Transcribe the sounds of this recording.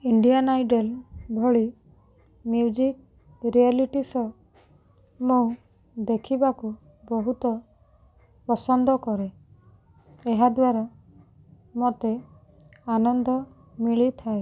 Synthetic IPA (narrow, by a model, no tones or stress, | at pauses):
iɳɖianajɖelbʱɔɭi | miwd͡ʒik̚ | ɾialiʈisɔ | mo | d̪ekʰibaku | bɔɦut̪ɔ | pɔsɔnd̪ɔkɔɾe | eɦad̪waɾa | mot̪e | anɔnd̪ʱɔ | miɭit̪ʰae